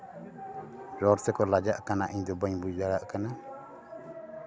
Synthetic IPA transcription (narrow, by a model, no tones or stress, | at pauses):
ɾɔɾsɛkɔlad͡ʒaʔkanaʔiɲd̪ɔbaɲbujd̪aɽaʔkana